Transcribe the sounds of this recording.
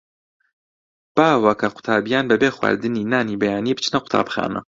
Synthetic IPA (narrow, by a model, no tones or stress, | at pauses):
b̥aːwɐkʰɐqʊ̥t̪ʰaːbijaːnbɐbeːxwa̰ːɾd̪ɨniːnaːniːbɐjaːnibɨt͡ʃʰnɐqʊ̥t̪ʰa̰ːbxa̰ːnɐ̰